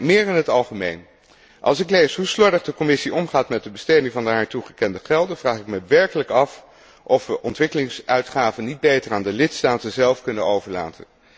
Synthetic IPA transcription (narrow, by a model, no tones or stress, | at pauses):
mɪːɹɪnɦətɑlˠχəmḛjn | ʔɑ̰lˠsɪklejsɦuslɔdəχdəkɔmɪsiɔmχaːtmɛt̚dəbəstejdɪŋvɑndəɦaːɹtuχəkɛndəχɛlˠdənvraːχɪkməʋɛɹkələkɑf | ʔɔfʋəʔɔntʋɪkəlɪŋsœɥtχaːvənːid̚bejtəraːndəlɪtstaːtəzɛlˠfkɵnənowvəɹla̰ːtʰə̰n